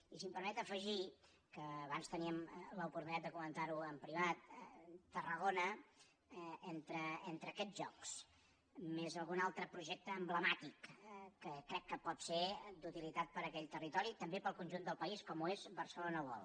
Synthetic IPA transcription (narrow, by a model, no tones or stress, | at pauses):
isimpəɾmɛt̪əfəʒi | kəːβanst̪əniəmləupuɾt̪unitat̪d̪əkumənt̪aɾuəmpɾiβat̪̚t̪ːərəɣonə | ent̪ɾəent̪ɾəkɛd͡zʒɔks | mezəlˠɣunalˠt̪ɾəpɾuʒɛk̚t̪əːmbləmat̪ikkːəkɾɛkːəpɔt̪sed̪ut̪ilit̪at̪̚pəɾəkɛʎt̪ərit̪ɔɾit̪əmbepəlˠkunʒund̪əlˠpəiskɔmuezbəɾsəlonəβɔ̰lˠ